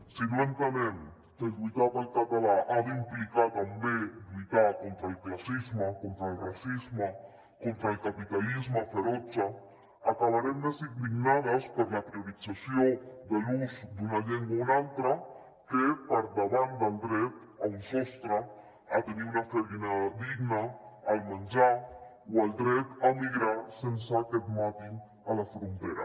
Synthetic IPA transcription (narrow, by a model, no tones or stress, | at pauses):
siβlent̪amẽn | kelɡwit̪aðaelkat̪alaʔaðeimplikat̪ambeʎit̪akont̪ɾaelklasizmakont̪ɾaelrasizma | kont̪ɾalkapit̪alizmafeɾot͡ʃa | akaβaɾemd̪esiŋd̪iɡnaðaspəɾlapɾioɾit͡sasjod̪eluzd̪unaʎeŋɡwaunalt̪ɾa | kepaɾd̪aβand̪ald̪ɾet̪aunsost̪ɾa | at̪eniunafeinad̪iɡnaːlmãnd͡ʒa | wald̪ɾet̪amiɣɾasensaket̪̚mat̪i | alafɾont̪eɾa̰